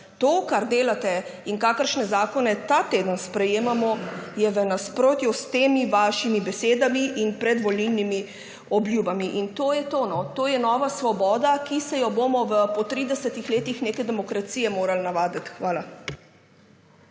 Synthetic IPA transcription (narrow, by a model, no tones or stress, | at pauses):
t̪oːkaɾd̪eːlat̪ɛiŋkaːkəɾʃnɛzaːkɔnɛt̪at̪eːd̪ənspɾɛjeːmamɔjɛʋənaspɾoːt̪just̪eːmiʋaːʃimibɛseːd̪amiʔinpɾɛd̪ʋɔlnilnimi | ɔbljuːbamiʔint̪oːjɛt̪oːnɔt̪oːjɛnɔːʋasʋɔbɔːd̪akisɛjɔbomɔʋəpɔt̪ɾid̪ɛsət̪ixleːt̪ixneːkɛd̪ɛmɔkɾat̪siːjɛmoːɾalnaʋaːd̪ət̪xʋaːla